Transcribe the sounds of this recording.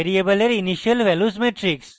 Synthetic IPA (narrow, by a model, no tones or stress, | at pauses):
eɾiebəleɾiniɕəlʋɛlusmeʈɾiks